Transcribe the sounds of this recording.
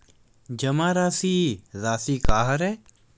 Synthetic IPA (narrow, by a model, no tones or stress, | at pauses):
d͡ʒɐmãːɾaːsiːɾaːsiːkaːɦəɾɛː